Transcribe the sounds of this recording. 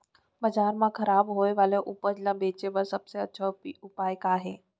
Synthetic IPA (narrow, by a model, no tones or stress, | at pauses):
bəd͡ʒaːɾmãkʰəɾaːbɦoːeʋaːleʔʊpəd͡ʒlãbeːt͡ʃeʋəɾsəbseətːʃʰaʊpaːjkaːɦeː